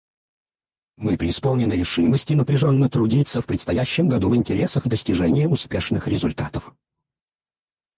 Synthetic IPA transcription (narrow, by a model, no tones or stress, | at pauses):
mɨpɾʲɪːspolˠnʲɪnɨɾʲɪʂɨməsʲtʲɪnəpɾʲɪʐonːət̪ɾʊdʲit̪səfpɾʲɪt̪st̪ɐjæɕːɪmɡɐd̪uvɨnʲtʲɪɾʲʔe̞səxd̪əsʲtʲɪʐɛnʲɪjəʊspʲe̞ʂnɨxɾʲɪzʊlʲt̪at̪əf